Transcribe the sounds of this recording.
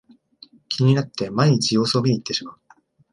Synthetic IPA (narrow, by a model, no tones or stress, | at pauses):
kʲʰiɲ̟inat̪ːe̞maiɲ̟it͡ɕijo̞ːso̞ːmʲiɲ̟ʲiːt̪ːe̞ɕimaɯ